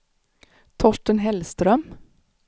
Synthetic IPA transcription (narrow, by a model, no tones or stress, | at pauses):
t̪ʰɔʃʈənɦɛlst̪ɾœm